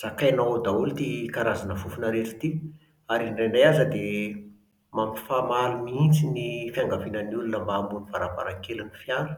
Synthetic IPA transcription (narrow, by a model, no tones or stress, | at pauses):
z̥akajnaod̪aulit̪ikaɾazanəfufunəɾeʈ͡ʂi̥t̪i | aɾinɖ͡ʐenajazəd̪e | mamifamalumiint͡sinifiaŋɡavinənulunəmbaːmbunivaɾaba̰ɾaŋkelinifjanə̥